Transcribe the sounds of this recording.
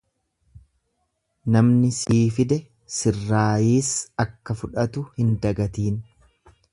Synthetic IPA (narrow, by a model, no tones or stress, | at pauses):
nɐmnɪsiːfɪd̪ɛ | sɪrːaːjiːsɐkːɐfʊᶑɐt̪ʊhɪnd̪ɐɡɐt̪iːn